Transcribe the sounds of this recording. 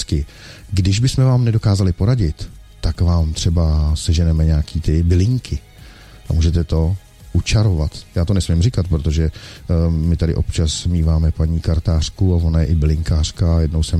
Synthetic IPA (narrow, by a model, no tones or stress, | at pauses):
kɪ | ɡdɪʒbɪsmɛvaːmnɛdo̞kaːzalɪpo̞ɾaɟɪt̪ː | akvaːmt̪r̝̥ɛbasɛʒɛnɛmɛɲɛakiːt̪ɪbɪlɪŋkʰɪ | ʔa̰muːʒɛt̪ɛt̪o̞ | ʔut͡ʃaɾovat̪jaːt̪o̞nɛsmɪmrɪkat̪̚pɾot̪o̞ʒɛ | mɪt̪adɪ̰ʔopt͡ʃasmiːvaːmɛpaɲiːkaɾt̪aːr̝̥kuavonajɛʔɪbɪlɪŋkaːr̥kajɛdnowsɛ